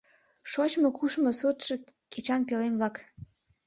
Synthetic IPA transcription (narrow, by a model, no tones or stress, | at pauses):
ʃot͡ɕmokuʃmosot̪ʃĕket͡ɕɑnpelemblɑk